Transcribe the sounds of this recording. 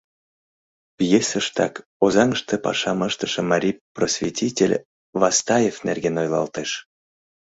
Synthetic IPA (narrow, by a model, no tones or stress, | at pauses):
pʲjesəʃt̪ɑkozɑŋʃt̪epɑ̰ʃɑməʃt̪ə̥̆ʃɤ̆mɑɾʲiprosvʲetʲʰitʲelʲ | vɑst̪ɑjefnerɡenojlˠɑ̰lt̪eʃ